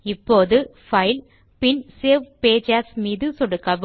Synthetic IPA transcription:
ɪpːoːðɯfɐɪl | pɪnseːʋpeːd͡ʒaːsmiːðɯsɔɽɯkːɐʋ

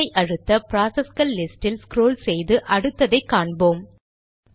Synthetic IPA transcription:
ɐɪʔɐɻɯt̪ːɐpɪɾaːsɐskɐlːɪsʈɪlskɾoːlsɛjðɯʔɐɽɯt̪ːɐðɐɪkːaːɳboːm

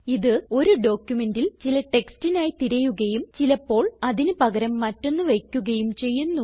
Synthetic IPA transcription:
iðɨo̞ɾuɖo̞ːkʲjume̞ndilt͡ɕilɐʈe̞kstinaːjit̪iɾɐjuɣɐjumt͡ɕilɐpːo̞ːɭɐðinɨpɐɣɐɾɐmːɐtːo̞nːuʋejkʲːuɣɐjumt͡ɕe̞jːunːu

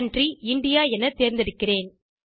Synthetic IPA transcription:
ndriɪɳɖɪjaːɛnɐt̪eːɾnd̪ɪɽɯkːɪreːn

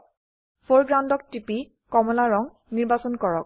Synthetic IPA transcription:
fʰoɹɡɹandɔk̚tipi | kɔmɔlaɹɔŋ | niɹbasɔnkɔɹɔk̚

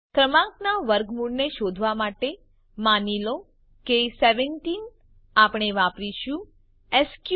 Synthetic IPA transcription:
kɾəmãknaʋəɾɡmuɽneʃod̪ʱʋamaʈe | manilo | keseʋɛnʈin | apɽ̃eʋapɾiʃũ | eskj

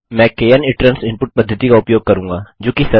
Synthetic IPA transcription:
mɛ̃keːənɪʈɾənsɪ̃mpʊʈ̚pɐd̪ʱːət̪ikaʊpjoːɡ̚kɐɾũːŋɡaːd͡ʒoːkisɐ

